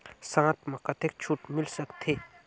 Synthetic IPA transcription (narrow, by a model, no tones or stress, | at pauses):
sãːt̪mãkɐt̪ʰek̚t͡ʃʰuʈmɪlsɐkt̪ʰeː